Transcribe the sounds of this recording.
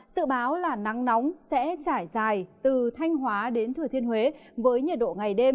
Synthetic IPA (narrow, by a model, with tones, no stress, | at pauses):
sɨ̰˧˨ɓaː˨˦wlaː˨˩na˨˦ŋnɔ˨˦wŋ͡msɛ̰˧˥t͡ɕaː˧˩jzaː˨˩jt̪ɨ˨˩t̪ʰa˧jŋ̟ɦwaː˨˦ɗe˨˦nt̪ʰɨ˨˩ət̪i˧ənhwe˨˦vəː˨˦jɲə˨˩t̚ɗo̰˧˨ŋa˨˩jɗe˧m